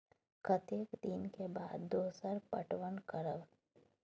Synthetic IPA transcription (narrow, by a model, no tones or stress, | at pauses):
kət̪eːkd̪ɪnkebaːd̪ːoːsəɾpə̰ʈʋəɳkəɾəʋ